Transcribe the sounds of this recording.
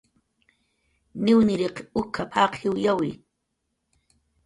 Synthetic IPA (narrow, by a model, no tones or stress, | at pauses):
nɪwnɪɾeqʊkʰapʰaqʰɪwjawɪ̰